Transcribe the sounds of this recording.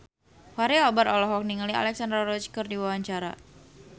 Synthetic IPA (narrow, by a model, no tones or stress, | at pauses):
waɾeɔbat̪ɔlɔɦɔk̚niŋalia̰lɛksandɾarɔt͡ʃkərdiwawaɲt͡ʃaɾa̰